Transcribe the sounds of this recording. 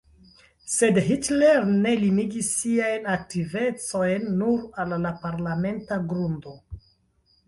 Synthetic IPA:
se̞dɦitleɾne̞liniɡisːiajnak̚tive̞t͡so̞jnːuɾalːapaɾlame̞ntaɡɾundo̞

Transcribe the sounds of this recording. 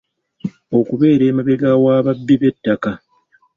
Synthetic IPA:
o̞kuβe̞ːɾe̞ːmaβe̞ɡawaːβabːiβe̞tːaka

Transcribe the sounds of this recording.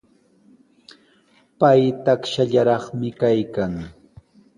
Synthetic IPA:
pajt̪akʃaʎaɾɑχmɪkajkaŋ

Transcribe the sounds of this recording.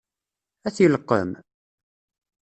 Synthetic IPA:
æθjəlqːə̰m

